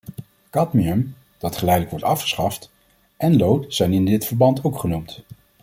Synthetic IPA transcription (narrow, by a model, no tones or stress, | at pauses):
kɑtmiəm | d̥ɑtχəlɛjdələkʋɔɹtɑfχə̥sχɑft | ʔɛnlowtsɛjnɪndɪtfəɹbɑntowkχənumt